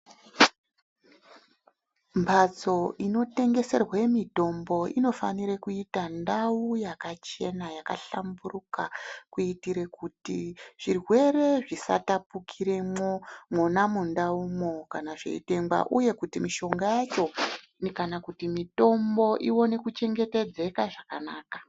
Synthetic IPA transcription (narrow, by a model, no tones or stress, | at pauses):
mbʱat͡so̞ino̞te̞ŋɡe̞se̞rwemito̞mbo̞ino̞faniɾekuitandaujakat͡ʃe̞najakaɬamburukakuitiɾekutiʐ̥irwe̞re̞ʐisa̰tapukʰiɾe̞momwonamundaumokanaʐḛḭte̞ŋba̰ʔuje̞kutimiʃo̞ŋɡajat͡ʃo̞ | nkanakutimito̞mbo̞ʔiwo̞ne̞kut͡ʃe̞ŋɡe̞te̞d͡ze̞kaʐakanaːkḁ